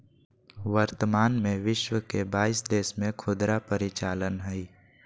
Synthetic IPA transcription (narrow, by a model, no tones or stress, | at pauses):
ʋəɾt̪əmaːnmẽʋɪʃwəkebaːisd̪eːsmẽkʰʊd̪ɾapəɾɪt͡ʃaːlənɦɛi